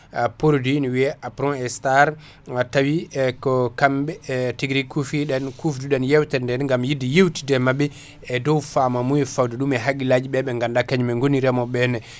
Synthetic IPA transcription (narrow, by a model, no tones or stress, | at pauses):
apoɾdinwiɛʔapɾɔ̃ɛstaɾ | atawikɔkamɓɛtiɡɾikufiɗɛnkufduɗɛnjɛwtɛndɛnŋɡamjidijewti̥dɛmaɓɛ | ɛdɔwfamamujɛfawdɛɗumɛɦaɡilad͡ʒiɓɛɓɛŋɡandakaɲmɛŋɡoniɾɛmɔɓɛnɛ